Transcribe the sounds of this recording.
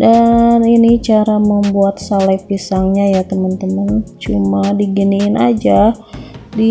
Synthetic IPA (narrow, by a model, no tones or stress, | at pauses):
daninit͡ʃaɾaməmbuat̪̚salapisaŋɲajat̪əmənt̪əmənt͡ʃumadiɡəniːnʔad͡ʒa | di